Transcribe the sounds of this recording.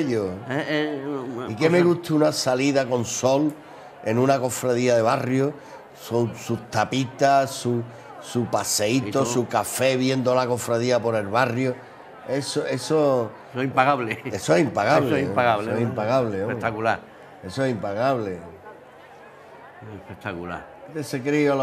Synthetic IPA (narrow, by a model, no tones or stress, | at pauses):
ʎoeeikemeɣut̪unasaliðako̞nso̞l | e̞nũnako̞fɾaðiaðe̞βarjo | susut̪apit̪asu | supase̞it̪osukafe̞βje̞nd̪o̞lako̞fɾaðiapo̞ɾe̞lβarjo | e̞soʔe̞so | impaɣaβleesoehimpaɣaβsloesipaɣaβehimpaɣaβleopet̪akulaɾ | e̞soehimpaɣaβle | epekt̪akula̰ɾ | et̪esekɾiol